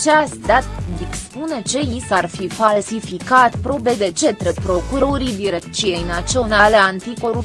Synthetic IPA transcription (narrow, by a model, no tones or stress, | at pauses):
t͡ʃeasd̪at̪d̪ikspune̞t͡ʃe̞isarfifalsifikat̪pɾo̞be̞d̪e̞t͡ʃe̞t̪ɾepɾo̞kuɾo̞ɾid̪iɾe̞k̪t͡ʃije̞jnat̪sio̞nale̞ant̪iko̞ɾup